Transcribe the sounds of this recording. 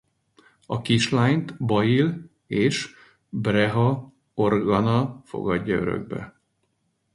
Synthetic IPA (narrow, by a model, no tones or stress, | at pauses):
ɒkiʃlaːjnt̪bɒjil | eːʃ | brɛɦɒ | o̞rɡɒnɒfo̞̰ɡɒɟːɒø̰ɾø̰ɡ̚bɛ̰